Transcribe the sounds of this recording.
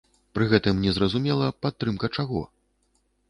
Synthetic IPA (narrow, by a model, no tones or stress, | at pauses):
pɾɨɣɛt̪ɨmnʲɛzɾɐzumʲɛlˠɐpat̪ːɾɨmkɐt͡ʂaɣɔ̰